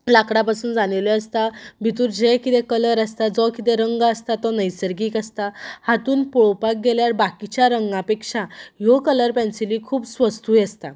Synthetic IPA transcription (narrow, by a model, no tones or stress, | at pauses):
lakɽapasuːnd͡zanelɔəst̪abʱit̪uːɾd͡ʑekit̪ẽkələɾəst̪ad͡zɔkit̪ɛɾəŋɡaəst̪at̪ɔnəjsəɾɡiːkəst̪ahat̪uːnpɔɭopak̚ɡeljaɾbakit͡ɕjaɾəŋɡapekʂajɔkələɾpɛnsilikʰuːbsʋəst̪ujest̪a